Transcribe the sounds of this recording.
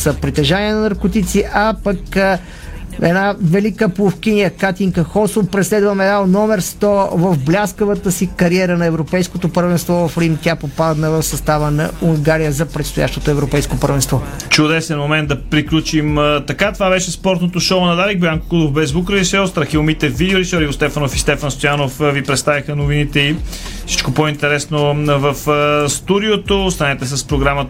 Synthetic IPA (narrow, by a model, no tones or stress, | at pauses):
səpɾit̪ɛʒaniɛnɐnɐɾkot̪it̪siʔʔɐpəkə | ɛnavɛlikəpˠofkʲinijəkat̪iŋkəxɔsopɾɛslɛd̪vəmɛd̪anɔmɛɾst̪ɔvɐvblʲaskəvət̪əsikɐɾiɛɾənɐɛvɾopɛjskot̪opəɾvɛnst̪vɔvɐfɾimt̪ʲapopad̪ədt̪nɐvəfsɐst̪avənɐ̰uŋɡaɾijəzɐpɾɛt̪st̪oja̰ʃt̪ot̪oɛvɾopɛjskopəɾvɛnst̪vɔt͡ʃʊd̪ɛsɛnmomɛnd̪ɐpɾiklʲut͡ʃimt̪ɐkat̪ovavɛʃɛspɔɾt̪not̪oʃoʊnɐd̪aɾiɡ̚bɛaŋkokud̪ofbɛzbukɾɾisɛɔst̪ɾɐxiomit̪ɛvid̪ɛoɾisɔɾiost̪ɛfɐnofist̪ɛfənst̪ojanofvipɾɛt̪st̪avixənovinit̪ɛi | fsi̥t͡ʃkopoint̪ɛɾɛsnovəfst̪ud̪iot̪ost̪ɐnɛt̪ɛs̬əspɾoɡɾamə